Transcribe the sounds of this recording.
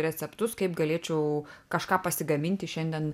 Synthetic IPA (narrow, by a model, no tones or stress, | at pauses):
ɾʲɛt͡sʲɛpt̪ʊskɐɪpɡɐlʲeɛt͡ʃʲɛʊkɐʃkɑːpɐsʲɪɡɐmʲɪnʲt̪ʲɪʃʲɛnʲd̪ʲiɛn